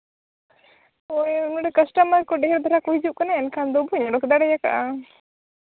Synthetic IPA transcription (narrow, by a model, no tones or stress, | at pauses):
ɔjnɔɖɛkəsʈəməɾkɔɖɛɦɛɾd̪ʱɔɾakuɦid͡ʒuʔ̚kanaɛnkʰand̪ɔbʱuɲɔɽɔkd̪aɽɛjaka̰ʔa